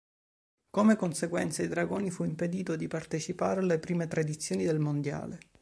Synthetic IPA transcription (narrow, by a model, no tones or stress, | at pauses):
komekonseɡwɛnt̪said̪ɾaɡoːnifuimped̪iːt̪od̪ipart̪et͡ʃipaːɾealepɾiːmet̪ɾad̪it̪sːjoːnid̪elmond̪ja̰ːle